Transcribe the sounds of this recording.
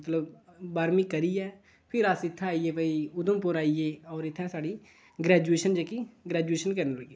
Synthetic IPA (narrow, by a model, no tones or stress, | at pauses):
ɐt̪ləbbaːɾmĩkɐɾiɛː | pʰɪɾaːsɪt̪ʰaaːieʋəiʊd̪əmpʊɾaːieɔːɾɪt̪ʰɛ̃saːɽi | ɡɾɛːd͡ʒueːʃənd͡ʒɛːkiɡɾɛːd͡ʒueːʃənkɐɾneləɡeː